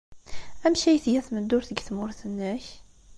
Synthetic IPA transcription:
æmʃæjθjæθməd̪ːʊɾθəɡθmʊɾθənːəç

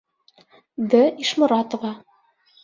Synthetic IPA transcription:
d̪ɘiʃmŏɾɑt̪ŏvɑ

